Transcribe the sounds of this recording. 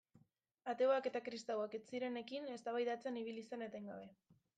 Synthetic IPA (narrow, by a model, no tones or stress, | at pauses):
at̪e̞oake̞t̪akɾist̪awaket͡siɾene̞kine̞st̪aβajðat͡se̞niβ̞ilise̞net̪ajŋɡa̰β̞e̞